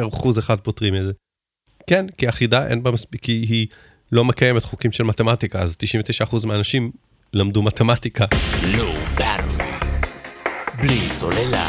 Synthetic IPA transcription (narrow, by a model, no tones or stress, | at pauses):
eʁχuzeχad̚potʁimedze | kenkiaχidaʔḛnbamaspikːiɦi | lo̞mekajemetχukimʃelmatematikaazt̪iʃĩmveteʃaːχuzmeanaʃim | lamdumatematikalubaɾlḭ | blisolela̰